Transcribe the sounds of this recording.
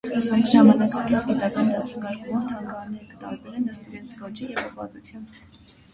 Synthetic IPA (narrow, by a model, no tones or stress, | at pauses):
ʒɑmɑnɑkɑkispit̪ɑkɑnd̪ɑsəŋɡɑɾkumɔɾt̪ʰɑŋɡɑɑɾnɛɾəkət̪ɑ̰ɾbɛlɛnəst̪iɾɛnt͡sʰkɔt͡ʃijɛvɔvɑ̰t̪ut͡s̪ʰjɑmb